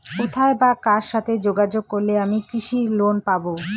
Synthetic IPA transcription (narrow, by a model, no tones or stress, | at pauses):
ut̪ʰaebakaɾʃat̪ʰed͡ʑoɡad͡ʑoɡ̚koɾleamikɾiʃiɾlonpabo